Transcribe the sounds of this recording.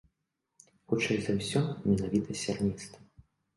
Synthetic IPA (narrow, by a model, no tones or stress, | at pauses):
xut͡ʂajzɐwsʲɔmʲɛnavʲit̪ʰɐsʲarmʲist̪